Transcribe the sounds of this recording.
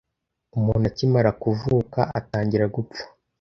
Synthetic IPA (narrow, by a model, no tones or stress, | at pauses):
umuːnacimaɾakuvuːka̰ʔataːɲɟiɾaɡup͡fḁ